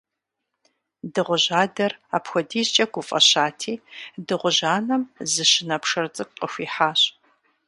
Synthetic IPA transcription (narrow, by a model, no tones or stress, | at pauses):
dɨʁʷʊʑaːdɐra̰ːpxʷɔdiːzt͡ʃʼɐɡʷʊfʼɐ̰ɕaːtʰiːdɨʁʷʊʑaːnɐmzɨɕɪnɐpʰʂɐrt͡sʼɨkʷʼqʼəxʷiːħaːɕʼ